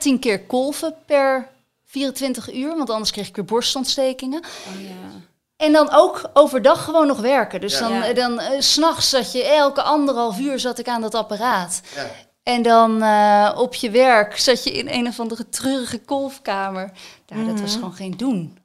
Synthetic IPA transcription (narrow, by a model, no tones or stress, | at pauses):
tinkɪːɹkɔlˠvəpɛɹ | v̥iːrəntʋɪntəχyːɹʋɑntɑndəɹskrejχɪkʋɪːɹbɔɹstɔntstejkɪŋə | ɛndɑnowkowvəɹdɑχːəʋownːɔχʋɛɹkədɵsdɑndɑnsnɑχsːɑtjəɛlˠkəʔɑndərɦɑlˠfyːɹzɑtɪkaːndɑtaparaːt | ɛndɑnɔpʰjəʋɛɹksɑcjəʔɪ̰nḛjnɔvɑndərətrøːrəχəkɔlˠfkaːməɹjadɑtʋɑsχəʋownχejndun